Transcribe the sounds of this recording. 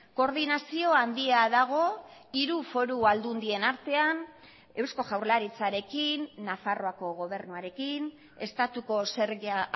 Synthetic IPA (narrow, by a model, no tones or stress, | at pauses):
ko̞ɾðinasio̞and̪iaðaɣ̞o̞iɾufo̞ɾuald̪und̪ie̞naɾt̪e̞an | e̞wsko̞ʝawɾlaɾit͡saɾe̞kinːafaro̞ako̞ɣo̞β̞e̞ɾnuaɾe̞kin | e̞st̪at̪uko̞se̞ɾɣa